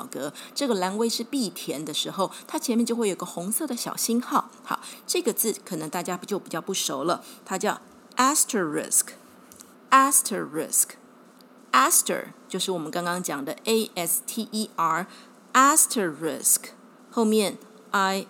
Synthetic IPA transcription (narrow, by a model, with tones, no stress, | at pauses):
ɑ˨˩ʊkɤ˧˦ʈ͡ʂɤ˥˩ɡə˩la˧˥nwe˥ɪʂɻ̩˥˧pi˥˩t̪ʰjɛ˧˥nd̪ə˧ʂɻ̩˧˥xo˥˧ʊt̪ʰa˥t͡ɕʰɛ˧nmjɛ˥˧t͡ɕjo˥˧we˥˩jo˨˩˧ɡə˧xʊ˧˥ŋsɤ˥˩d̪ə˩ɕjɑ̰˨˩ʊɕi˥nxɑ˥˩ʊxɑ̰˧˦ʈ͡ʂɤ˥˩ɡə˩t͡sɹ̩˥˩kʰɤ˨˩nə˧˥ŋt̪a˥˩t͡ɕja˥pt͡ɕjo˥˩ʊpi˨˩t͡ɕjɑ˥˧ʊpu˥˩ʂo˧˥ʊlə˧t̪ʰa˥t͡ɕjɑ˥˩ʊ | ʔæ˥stʰə˨˩ɹɪ̰˥˨˩sk | æ˥stʰə˨˩ɹɪ̰˥˩sk | æ˥stʰə̰˨˩t͡ɕjo˥˧ʊʂɻ̩˥˩wɔ˨˩mə˦nkɑ˥ŋkɑ˥ŋt͡ɕjɑ˨˩ŋd̪ə˦e˥ɪʔɛ˥st̪ʰi˥ʔi˥a˥˩ | æ˥stʰə˨˩ɹɪ̰˥˨˩sk | xo˥˧ʊmjɛ˥˨n | a˥ɪ